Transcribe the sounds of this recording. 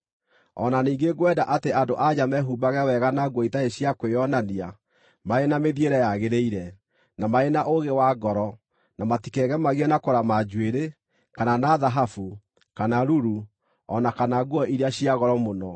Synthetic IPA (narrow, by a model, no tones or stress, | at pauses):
ɔ̰naniːɡeɡwɛdaʔateandoʔad͡ʑamɛɦubaɣɛwɛɣanaɡwɔitaeɕiakwejɔnania | maenameðjeɾɛjaɣeɾeiɾɛ | namaenaʔoɣewaɡɔɾɔ | namatikɛɣɛmaɣɛnakoɾamad͡ʑweɾe | kananaðaɦafu | kanaɾuɾu | ɔ̰nakanaɡwɔiɾeaɕiaɣɔɾɔmonɔ